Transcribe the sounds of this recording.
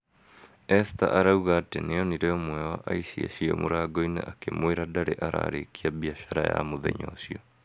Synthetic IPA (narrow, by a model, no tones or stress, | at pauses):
ɛsta̰ʔaɾauɣaːteneɔniɾeɔmwɛwaʔaiʃia̰ʃiɔ̰mʔo̰ɾaɡɔinḛʔakemoeɾadaɾeʔaɾa̰ːɾekiaβiaɕaɾaja̰moðɛ̰ɲɔ̰siɔ